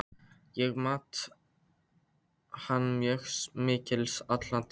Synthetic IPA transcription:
jɛɣmaːt̪ | hanːmjœxsmɪːcɪlsat̪lant̪

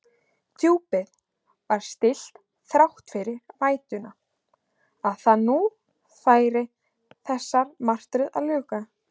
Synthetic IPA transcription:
t̪ʰjuːpɪð | vaɾ̥st̪ɪl̥t̪ | θɾawht̪fɪɾɪɾvaːjt̪ʏna | aðθaðnu | θaːjɾɪ | θɛsːaɾ̥mar̥t̪ɾʏða̰ðlʏːka

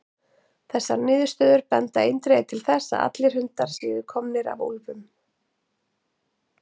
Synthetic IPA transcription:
θɛsːaɾnɪːðʏ̥ɾ̥st̪œːðʏɾpɛnt̪aejnt̪ɾejt̪ʰɪlθɛsːa̰ʔa̰t̪lɪɾ̥hʏnt̪aɾ̥sɪːðɪkʰɔmnɪɾa̰vo̰wlvʏm

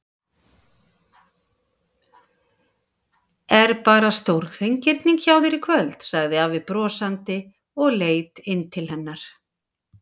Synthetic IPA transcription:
ɛɾpaːɾast̪owɾɣ̥ejɲcɪɾt̪niŋkçaːwðɪɾɪkʰvœlt̪saɣðɪaːvɪðpɾɔːsant̪ɪ | ɔɣleːjt̪ɪnt̪ʰɪlhɛnːaɾ̥

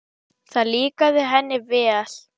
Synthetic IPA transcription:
θaðliːkaðɪɦɛnːɪvɛːal̥

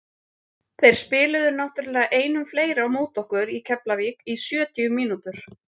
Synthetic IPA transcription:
θejɾ̥spɪːlʏðʏɾnawht̪ʏɾlɛːɣaʔeːjnʏmfleːjɾawmoːwt̪ɔhkʏɾicʰɛplaviːkisjœːt̪iʏmiːnut̪ʏɾ̥

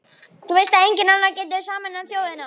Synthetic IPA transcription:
θuvejst̪aejɲcɪnanːacɛːt̪̬ɪsaːmanaθjoːwðɪna

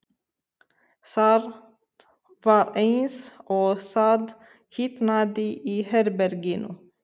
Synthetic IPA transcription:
sɑːɾ | ʋɑːɾeɪnsʔoːsɑd̪ | hiːt̪nɑːd̪iʔiːhæɾbæɾɡiːnʔʊ̰

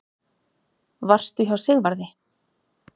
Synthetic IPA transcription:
var̥st̪ʏçawsɪɣvaɾðɪ

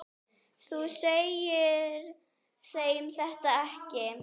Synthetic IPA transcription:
θusejɪɾ | θeːjɪmθɛht̪aɛhcɪ

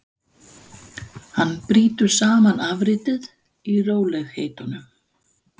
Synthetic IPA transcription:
hanːpɾiːt̪ʏɾ̥saːmanavɾiːt̪ɪð | iroːwlɛɣheːjt̪ʏnʏm

